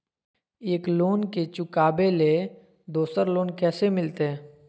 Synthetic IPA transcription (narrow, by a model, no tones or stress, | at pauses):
eːkloːnket͡ʃʊkaːbele | d̪oːsəɾloːnkɛːsemɪlt̪eɦɛ̃ː